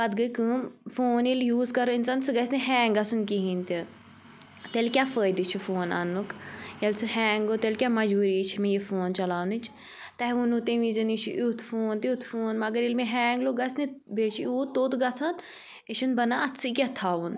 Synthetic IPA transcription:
ɐd̪ɡɐjkɨːmfoːniljuːzkɐɾoinsansɨɡɐsneɦɛ̃ːŋɡɐsunkiɦĩnt̪ʲi | t̪elkʲafəːjd̪it͡ʃʰufoːnɐ̰nːukjɐlsɨhɛːŋɡot̪elkʲamɐd͡ʒbuɾiːt͡ʃʰimẽjefoːnt͡ʃɐlaːʋnɨt͡ʃʰ | t̪ɐɦunut̪eʋizɐnit͡ʃʰḭʔut̪ʰfoːnt̪iut̪ʰfoːnmɐɡɐɾilmeɦɛːŋɡloɡɐsnebeːt͡ʃʰiuːt̪oːt̪ɡɐt͡sʰan | iʃunbɐnaɐt̪sɨk̬ʲat̪ʰaːʋun

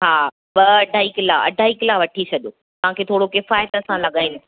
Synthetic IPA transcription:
ɦaː | ʋɐɐɖʱaːɦiklaːɐ̰ɖʱaːɦikɪlaːʋɐʈʰisʰɐd̪oː | t̪ɐʋ̤ãkʰeːt̪ʰoːɽokɪfaːjt̪ɐsãlɐɠaːɪnɪ

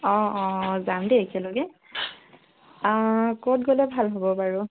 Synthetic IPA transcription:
ɔ̃ɔ̃zamdɛekialoɡɛ | kɔtɡolɛbʱalɦobɔbaɹu

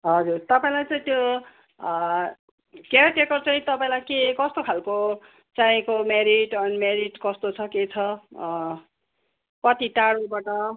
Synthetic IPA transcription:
ɦʌd͡zurt̪ʌpaĩlajt͡saĩt̪jo | keʈjekʌrt͡saĩt̪ʌpaĩlajkekʌst̪okʰalko | t͡saĩkomeɾiʈʌnmeɾiʈkʌst̪ot͡sʰʌket͡sʰʌ | pʌt̪iʈaɽobaʈʌ

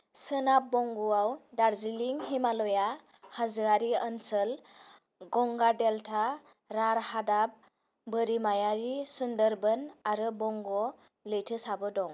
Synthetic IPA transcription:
sənap̚bɔŋɡuawdaɾziliŋɦimalɔja | hazɯaɾiənsəl | ɡɔŋɡadeltʰa | ɾaɾhadap̚ | bəɾimajaɾisundəɾbɯnaɾɯbɔŋɡɔ | lɯjtʰɯsabɯdɔŋ

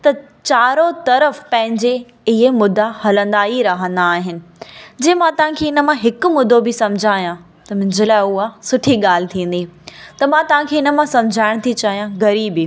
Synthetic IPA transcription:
t̪ɐ | t͡ɕaːɾot̪ɐɾəfpɐ̃ɦɪ̃ɲd͡ʑe | ɪɦemʊd̪ːahɐlə̃nd̪aːiɾɐɦə̃nd̪aːɦɪnɪ̆d͡ʑeːmãt̪ɐʋ̤ãkʰeːɪnə̆mãɦɪkʊmʊd̪obɪsɐ̃md͡ʑʱaːjã | t̪ɐmɪ̃ɲd͡ʑəlaːɪʊɦasʊʈʰiɠaːl̤ɪ̆t̪ʰĩːn̆d̪it̪ɐmãt̪ɐʋ̤ãkʰeːɪnə̆mãsɐmd͡ʑʱaːɪɽ̃t̪ʰit͡ɕaːɦijãɣɐɾiːbi

